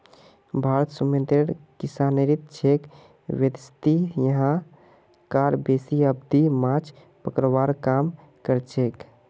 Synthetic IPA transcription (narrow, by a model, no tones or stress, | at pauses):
bʱaɾət̪sumẽnt̪ɾeɾkisaneɾit̪̚t͡ʃʰek | ʋjəd̪st̪ijəɦã | kaɾbesiəbd̪imãt͡ʃʰ | pəkɾʋaɾkam | kəɾt͡ʃʰek